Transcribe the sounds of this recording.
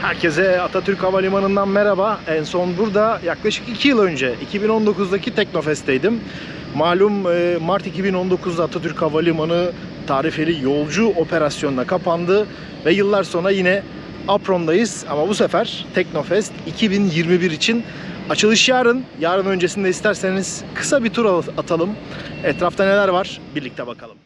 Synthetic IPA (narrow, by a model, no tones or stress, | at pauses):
hæɾcɛzɛat̪ʰat̪ʰyɾcavalʲimanɯnd̪anmeɾabaɛnso̞nbuɾd̪ajaklˠaʃɯ̥kicʰijilˠø̞nd͡ʒɛicʰibino̞nd̪o̞kuzd̪acʰit̪ʰɛck̚no̞fɛst̪ejd̪imː | aːlʲumɯːaɾt̪icibino̞nd̪o̞kʰuzd̪at̪ʰat̪ʰyɾcavalʲimanɯ | t̪ʰaːɾife̞lʲijo̞lˠd͡ʒuo̞pʰe̞ɾasjo̞nunakʰapʰand̪ɯ | vɛjɯlˠːaɾso̞nɾajinɛ | apɾo̞nd̪ajɯz̥amabusɛfæɾ̥t̪ʰɛcno̞fɛst̪icʰibinjiɾmibiɾit͡ʃʰin | at͡ʃʰɯlˠɯʃjaːɾɯnjaːɾɯnø̞nd͡ʒesind̪ɛist̪ʰæɾse̞niz̥kʰɯ̥sabit̪ʰuɾaat̪ʰalˠɯmɛt̪ɾaft̪ʰane̞lʲæɾvaɾ̥biɾlʲic̚t̪ʰɛbakʰalˠɯ̥m